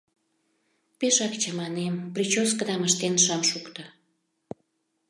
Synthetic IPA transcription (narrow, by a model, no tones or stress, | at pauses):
peʃɑkt͡ɕəmɑnemprit͡ɕoskəd̪ɑməʃt̪enʃɑmʃukt̪ə